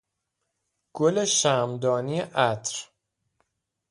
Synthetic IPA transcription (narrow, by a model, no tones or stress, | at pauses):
ɡ̥ole̞ʃæːmd̪ɒːnijeʔæt̪ʰɾ